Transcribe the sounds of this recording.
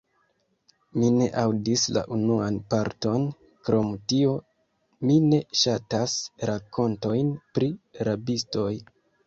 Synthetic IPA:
mine̞ʔawdisla̰ʔunuanpaɾto̞n | kɾo̞mtio̞ | mine̞ʃatasɾako̞nto̞jnpɾiɾabisto̞j

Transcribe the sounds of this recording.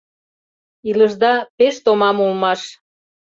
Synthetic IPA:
iləʒd̪ɑpeʃt̪omɑmulmɑʃ

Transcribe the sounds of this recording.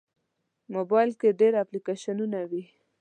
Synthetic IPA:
mobɑjlkeɖeɾaplikeʃanunawi

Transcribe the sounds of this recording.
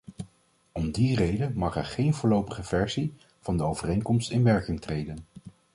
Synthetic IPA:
ɔmdirejdənmɑχɛɹχejnvʊːɹlowpəχəvɛɹzi | v̥ɑndəowvərejŋkɔmstɪnʋɛɹkɪŋtrejdən

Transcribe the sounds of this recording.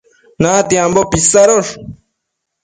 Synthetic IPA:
nat̪iambopisaɾoʂ

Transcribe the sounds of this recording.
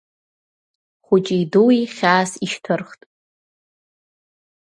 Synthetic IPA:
χʷʊt͡ʃʼijduwiχʲaːsiʃtʰɨrχtʼ

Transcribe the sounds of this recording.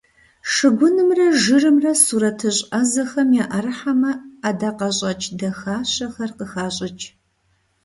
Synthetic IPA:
ʂɨɡʷʊnɨmrɐʒɨrɨmrɐsuːɾɐtʰɨɕʼɐzɐxɐmjaːʔɐrɨħamɐaːdaːqɐɕʼɐt͡ʃʼʰdɐxaːɕɐxɐrqəxaːɕʼɐt͡ʃʼ

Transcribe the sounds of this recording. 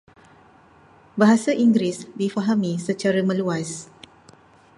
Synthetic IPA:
baɦasaʔiŋɡɾisdifaɦamĩsət͡ʃaɾamə̃luas

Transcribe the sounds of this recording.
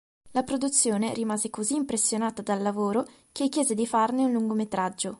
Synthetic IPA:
lapɾod̪ut̪sːjoːneɾimaːzekoziːmpɾesːjonaːt̪ad̪alːavoːɾo | kekːjɛːzed̪ifarneunluŋɡomet̪ɾad͡ʒːo

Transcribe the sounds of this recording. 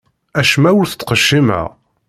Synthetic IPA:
æʃmæwʊɾθət͡s̪ːqəʃːimæ̰ʁ

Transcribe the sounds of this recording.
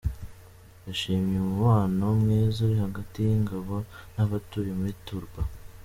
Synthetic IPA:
jaʃiːmɲemuβaːnomŋiːzuɾihaɡatijiŋɡaβo̞naβatuːjimuituɾɡwa

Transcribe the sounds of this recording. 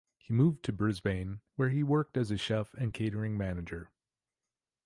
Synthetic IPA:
himuv̚tʰɨbɹɪzbẽɪ̃nwə˞iwɜ˞k̚tɨzɨʃɛfɨ̃nkʰeɪɾə˞ɪ̃ŋmænɨd͡ʒə˞

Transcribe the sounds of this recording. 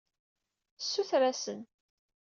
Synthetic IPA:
sːuθɾæsən

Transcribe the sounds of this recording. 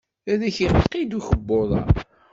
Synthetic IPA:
æðæçiqqid̪uçəbːoðˤɑ̰

